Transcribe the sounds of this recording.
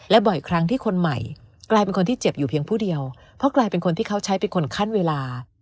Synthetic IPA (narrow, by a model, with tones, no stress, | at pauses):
lɛ˦˥bɔ˨˩jkʰɾa˦˥ŋt̪ʰiː˥˩kʰo˧nma˨˩jklaː˧jpe˧nkʰo˧nt̪iː˥˩t͡ɕe˨˩p̚juː˨˩pʰi˧əŋpʰuː˥˩di˧əw | pʰɔ˦˥klaː˧jpe˧nkʰo˧nt̪ʰiː˥˩kʰa˦˥wt͡ɕʰa˦˥jpe˧nkʰo˧nkʰa˥˩nweː˧laː˧